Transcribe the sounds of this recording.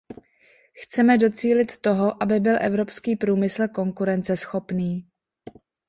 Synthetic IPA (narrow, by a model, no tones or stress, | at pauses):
xt͡sɛmɛdo̞t͡siːlɪt̪ːo̞ɦo̞ʔabɪbɪlʔɛvɾo̞pskiːpɾuːmɪsl̩ko̞ŋkuɾɛnt͡sɛsxo̞pniː